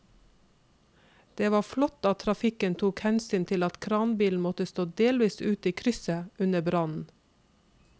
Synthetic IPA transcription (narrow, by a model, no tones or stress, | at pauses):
d̪̥eːʋɑːflɔt̪ɑt̪ʰɾɑfɪkənt̪ʰuːkhɛnsyːnt̪ʰɪlɑt̪kʰɾɑːnbiːln̩mɔt̪əst̪oːd̪eːlʋiːsʉːt̪iːkʰɾʏsəʉnəbɾɑnn̩